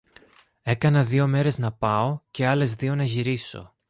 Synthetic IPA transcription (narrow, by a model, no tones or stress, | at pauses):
e̞kɐnɐðio̞me̞ɾe̞znɐpɐo̞ce̞ɐle̞zðio̞nɐʝiɾiso̞̰